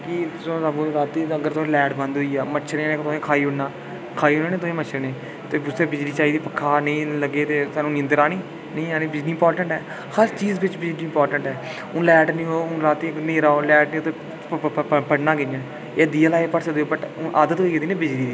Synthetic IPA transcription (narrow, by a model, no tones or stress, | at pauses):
kɪt̪ʊsõːsabũːɾaːt̪ːiːəɡəɾt̪ʊsẽːlɛːʈbə̃nd̪ɦoiːaːmət͡ʃʰɾẽːneːkt̪ʊsẽːkʰaːiːʊɽnaː | kʰaːiːɦʊnaːneːt̪̬ʊsẽːmət͡ʃʰnẽː | t̪eːbʊst̪eːbɪd͡ʒɽiːt͡ʃaːiːd̪iːpəkʰːaːnĩːləɡːeːt̪eːsaːnũːniənd̪əɾaːniː | nĩːaːniːbɪd͡ʒniːmpɔːɾʈəɳʈɦɛː | xast͡ʃiːzbɪt͡ʃbɪd͡ʒniːɪmpɔːɾʈəɳʈɛː | ʊlɛːʈnĩːõːɾaːt̪ːiːnẽːɾaːoːlɛːɖnĩːoːt̪e | pəɽnaːɡenːãː | eːd̪iːalaːeːpəɽsəd̪eoːbəʈːʔaːd̪ət̪ɦoiːed̪iːnẽːbɪd͡ʒɽiːd̪iː